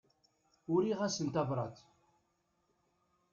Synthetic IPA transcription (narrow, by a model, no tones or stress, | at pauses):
ʊɾiʁæsənt̪ɑbɾˤɑ̰t̪